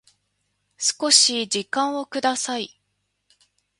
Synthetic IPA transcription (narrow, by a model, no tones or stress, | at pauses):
sɨ̥ko̞ɕid͡ʑikãɰ̃o̞kɯ̟d̪asai